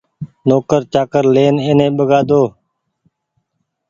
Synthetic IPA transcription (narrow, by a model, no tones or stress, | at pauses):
noːkəɾt͡ʃaːkəɾleːneːnẽːɓəɡaːd̪oː